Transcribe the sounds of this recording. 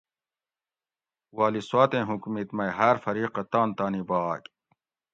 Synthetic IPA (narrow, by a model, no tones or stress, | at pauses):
waːliswaːt̪ẽːɦukmit̪mɐjɦaɾfɐɾiːqɐt̪aːnt̪aːnibaːk